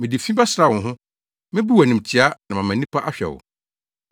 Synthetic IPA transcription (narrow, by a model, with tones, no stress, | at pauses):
mɪ̃˨di˨fĩ˦ba˦sɾa˦˨wʊ̃˨ɦʊ̃˦ | mɪ̃˦bu˦wæ˨nĩ˨m̩˨tʰi˨˦a˦nã˨mã˨mæ̃˨nĩ˦pʰa˦ʔa˦ɕᶣɛ̰˨wʊ̰˨